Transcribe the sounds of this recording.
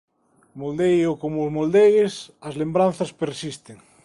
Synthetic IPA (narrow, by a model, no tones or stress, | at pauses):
mold̪ejokomozmold̪eɣesɐzlembɾãn̟θɐspeɾsist̪eŋ